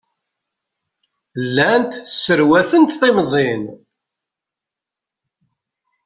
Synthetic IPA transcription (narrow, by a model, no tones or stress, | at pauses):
lːænt̪səɾwæθənt̪θemzˤen